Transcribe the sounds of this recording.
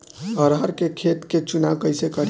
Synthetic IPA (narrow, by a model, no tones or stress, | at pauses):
əɾɦəɾkekʰet̪ket͡ʃunakəjsekəɾ